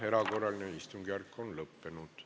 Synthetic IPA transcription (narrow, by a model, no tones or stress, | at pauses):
hɛɾɑɡoɾɑlneist̪uŋɡɑɾkʰːɔnləpːɛnut̪